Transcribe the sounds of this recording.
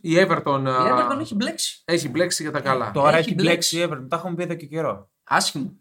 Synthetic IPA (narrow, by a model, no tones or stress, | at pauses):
ieveɾt̪o̞net̪onçibleksi̥eçibleksiʝɐt̪ɐkɐlɐ̰t̪oɾɐeçileksieveɾt̪ont̪ɐxumepieðo̞ceceɾo̞ | ɐsçimu